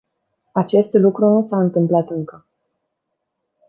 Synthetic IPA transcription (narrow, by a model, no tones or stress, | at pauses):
at͡ʃe̞st̪lukɾunusaɨnt̪ɨmplat̪ɨŋkə